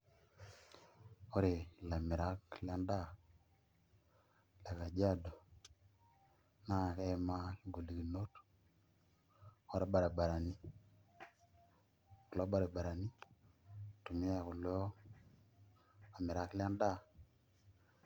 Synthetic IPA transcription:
o˦ɾe˨la˨mi˨ɾa˦kla˦nda˦˨ | le˨ka˨d͡ʒa˦do˨ | na˦˨ke˦ma˦˨ɡo˨li˨ki˨no˦t | o˦ɾa˦ɓa˨ɾe˨ba˨ɾa˨ni˦ | ku˨lo˦ɓa˦ɾe˨ba˨ɾa˨ni˦ | tu˨mi˦ja˨ku˨l | a˨me˨ɾa˦kla˦nda˦

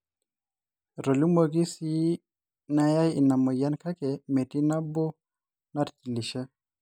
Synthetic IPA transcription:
ɾo˨lu˦mo˦ɡi˦si˦ | na˦ja˦ji˨na˨mɔ˨ja˦nka˦kɛ˨me˨ti˦na˦bɔ˦ | na˦ɾti˨li˨ʃɛ˦

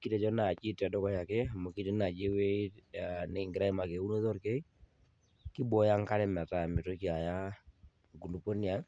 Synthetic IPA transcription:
ki˦tɛ˨d͡ʒɔ˦na˨t͡ʃi˦ta˨dɔ˦kɔ˦ja˨kɛ˦˨mo˨ki˦te˦na˨d͡ʒe˦we˦a˨ne˨ŋɡɪ˨ɾa˦i˦ma˨ke˨u˦no˦ðɔ˦ɾke˦ | ki˦bɔ˨˦ja˦ŋ˦ka˦ɾɛ˦mɛ˨ta˨mɪ˨to˦ki˦a˨ja˦ | ɡu˨nu˨po˦ni˦a˦

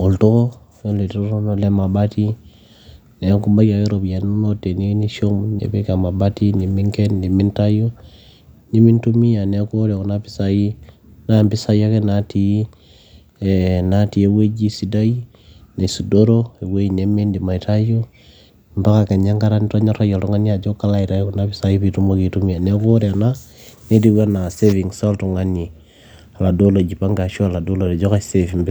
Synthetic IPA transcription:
o˨lto˦ko˦fe˦n˦le˨to˦ɾo˦no˦le˦ma˨ba˦ti˦ | ne˨˦ku˦mba˦ɡa˨ke˦ɾo˨bi˨ja˨n˦u˦no˦te˨ni˦ni˦ʃo˦mnḛ˨be˦ka˨ma˨ba˦ti˦ni˨mi˦ŋke˦nːi˨mi˦nta˦jo˦ | ni˦mi˦ntu˦mi˦ja˨ne˨˦ko˦ɾe˨ko˨˦na˦pi̥˦sa˦ji˦ | na˦˨mbi˦sa˦ja˦ke˦na˨ti˨˦˨ | na˨ti˨e˨we˦d͡ʒi˦si˨da˦ji˦ | ne˨su˨do˦ɾo˦e˨we˦i˨ne˦me˦ndi˨ma˨i˨ta˦jo˦ | mba˦ka˨ke˨ɲa˦ŋɡa˦ɾa˦ni˦ta˦ɲa˦ɾa˦ja˨ltu˦ŋa˦ni˦a˨d͡ʒo˦ka˦la˦i˨ta˦jo˦ku˦na˦pi˦sa˦ji˦pi˨tu˦mo˦ki˨tu˦mi˦ja˨ne˦ko˦ɾna˦ | ne˦di˦wa˦na˨se˦vi˨ŋso˦ltu˨ŋa˦ni˨ | a˨la˨do˦lo˨d͡ʒi˨pa˦ŋɡa˨ʃo˦a˨la˨do˦lo˨ɾi˨d͡ʒo˦ka˦se˦fi˨mbi˦

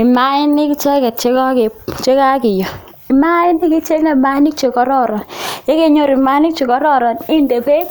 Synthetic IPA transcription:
i˨ma˨˦ɪ˦ni˦kt͡ʃɛ˦kɛ˨t̚t͡ʃe˦ka˦ke˨t͡ʃe˦ka˦kɪ˨jɔ˨ | i˨ma˦ɪ˦ni˦ki˦t͡ʃe˦ne˨ma˦ni˦k̚t͡ʃe˨kɔ˨˦ɾɔ˦ɾɔ˨nje˦ke˦ɲo˦ɾi˨ma˨˦ni˦k̚t͡ʃe˨kɔ˨ɾɔ˦ɾɔ˨ni˦nde˨pe˦

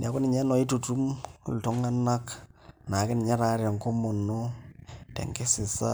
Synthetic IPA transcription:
nja˨kʊ˦nɪ˨ɲɛ˦nɔ˨ɪ˦tu˨tu˦m̰˨ltʊ˦ŋa˦na˦kna˨kɪ˦n˨ɲɛ˦ɾa˨˦ɾɛ˨ŋko˦mɔ˨no˦tɛ̰˨ŋkɪ˦sɪ˨sa˦

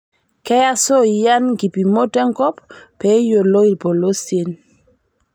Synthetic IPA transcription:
kɛ˦ja˦so˦˨ja˦nɡi˨pi˨mo˦tɛ˦ŋkɔ˦pːɛ˨˦jo˨lo˦i˨lpo˨lo˦se˨n

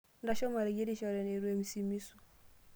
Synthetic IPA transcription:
nda˦ʃɔ˦ma˨ɾi˨ɡe˦ɾi˦ʃɔ˦ɾɛ˨ne˨ɾu˦e˦mi˨si˦mi˦su˨

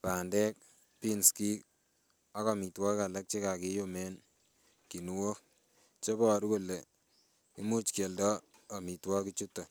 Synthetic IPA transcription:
pa˨ndɛ˦k̚ | pi˦nski˦k | a˦kɔ˨mi˨twɔ˦ka˨la˦k̚t͡ʃe˦ka˨ke˦jo˦me˦n | ki˨nu˦wo˦ | t͡ʃe˦bɔ˨ɾuku˦le˨ | i˦mu˦t͡ʃke˨ldɔː˦˨ | mi˨twɔ˦kit͡ʃutːɔ˨

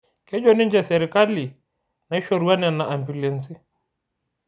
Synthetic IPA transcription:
kɛ˦d͡ʒɔ˦ni˦ɲd͡ʒɛ˨sɛɾi˨ka˦li˨ | na˨i˦ʃɔ˨ɾu˦a˦nɛ˨na˨ʔa˨mbu˨lɛ˨nsi˦

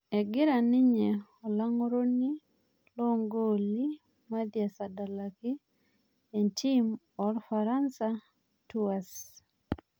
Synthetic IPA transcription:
ɛ˨ɡɪ˦ɾa˨nɪ˦ɲɛ˨ | ɔ˨la˦ŋ˦ɾo˦ni˦ | lɔ˦ŋɡo˦li˦ | ma˦d̪ja˨sa˨da˨la˨ki˦ | e˨nti˦m | ɔ˨ɾfaɾa˦nsa | tu˦a˨s

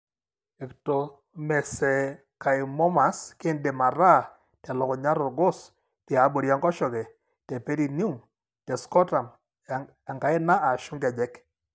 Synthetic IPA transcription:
e˨kto˨ | mɛ˨sɛ˨ | ka˨ɪ˨mɔ˦ma˨ske˦nde˨ma˨ɾa˦˨ | ta˨lɔ˨kɔ˨ɲa˦ɾɔ˨ɡo˦s | tɛ˨a˨˦bo˨ɾja˦ŋɡɔ˦ʃɔ˨kɛ˨ | te˨pe˦ɾi˨nu˦m | tɛ˨skɔ˦ta˨m | a˨ŋɡa˨ɪ˦na˦a˨ʃu˦ŋɡa˨d͡ʒɛ˦k

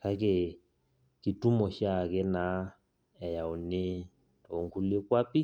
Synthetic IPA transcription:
ka˦ke˨ | ki˨tu˦mɔ˨ʃja˦˨kɛ˦na˨˦ | ɛ˨ja˨o˨ne˦ | tɔ˨ŋku˦le˦kwa˦pi˦

